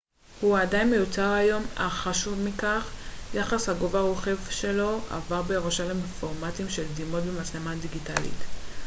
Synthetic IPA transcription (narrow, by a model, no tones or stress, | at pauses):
huadajinmejut͡saʁajo̞maχaʃuvmikaχjaχashaɡovaʁoχe̞vʃe̞lo̞a̰vaʁbeʁoʃalemfo̞ʁmatimʃeldimo̞t̚bemaslemadiɡitalḭt